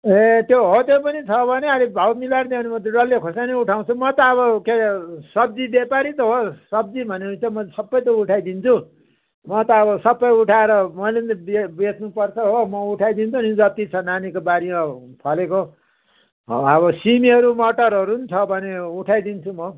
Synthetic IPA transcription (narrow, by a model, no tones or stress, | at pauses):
et̪joɦot̪jopʌnit͡sʰʌbʱʌneɦaɾebʱawmilaɾd̪eãnimʌt̪eɖʌlːekʰosaneuʈʰaw̃t͡sʰumʌt̪ʌːbʌkesʌb̚d͡zibepaɾit̪ʌɦosʌbd͡zibʱʌnet͡sʰʌmʌsʌbːʌjt̪̬ʌuʈʰajd̪int͡sʰu | mʌt̪ʌːbʌsʌbːʌjuʈʰaeɾʌmʌjlent̪bebet͡snupʌrt͡sʰʌɦomʌuʈʰajd̪int͡sʰunid͡zʌt̪it͡sʰʌnanikobaɾimʌpʰʌleko | ʌβʌsimiɦʌɾumʌʈʌɾɦʌɾunit͡sʰʌbʱʌneuʈʰajd̪int͡sʰumʌ